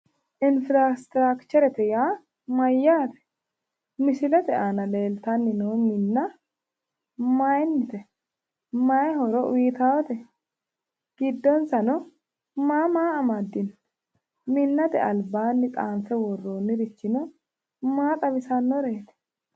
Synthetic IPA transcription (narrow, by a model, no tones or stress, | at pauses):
ʔɪnfɪɾaːst̪ɾaːkt͡ʃɛɾɛt̪ɛjaː | mɐjːaːt̪ɛ̥ | mɪsɪlɛt̪ɛʔanɐle̞ːlt̪ɐnːɪnoːmɪnːɐ | majnːɪt̪ɛ | majɦɔɾɔʔʊjɪt̪awɔt̪ɛ | ɡ̥ɪd̪ːɔnsɐnɔ | maːmaːɐmad̪ːɪn | mɪnːɐt̪ɛ̰ʔɐlbːaːnːɪt̪ʼaːnsɛwɔrːoːnːɪɾɪt͡ʃːɪnɔ | maːt̪ʼɐbɪsɐnːɔɾeːt̪ɛ̥